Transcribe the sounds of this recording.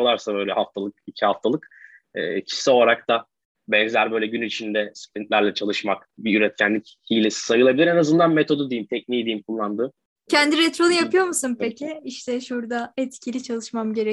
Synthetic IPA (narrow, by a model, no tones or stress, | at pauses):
olˠaɾsabø̞jlʲɛhaft̪ʰalˠɯk̚icʰihaft̪ʰalˠɯk | ɛ̰ːcʰi̥sɛo̞lˠaɾak̚d̪a | bɛnzlʲæɾbø̞jlʲɛɟynyit͡ʃʰind̪ɛspɾint̪lʲæɾlʲɛt͡ʃʰalˠɯʃmakbiyɾɛt̪̚cʰænlʲic | hilʲesi̥sajɯlˠabilʲiɾenazɯnd̪anmet̪ʰo̞d̪ud̪ejimt̪ʰɛcniːd̪ijimkʰulˠːand̪ɯː | cʰɛnd̪iɾɛt̪ɾo̞lˠujapʰɯjo̞ɾmusɯnpecʰɪiʃt̪ʰɛʃuɾd̪aɛt̪cʰilʲit͡ʃʰalˠɯʃmamɟe̞ɾe